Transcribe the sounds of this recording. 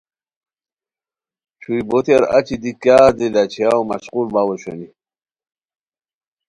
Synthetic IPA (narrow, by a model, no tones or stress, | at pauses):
t͡ɕʰujbot̪eɾa̰t͡ɕid̪ikjaːd̪ilat͡ɕʰijawma̰squlbawoɕo̰ni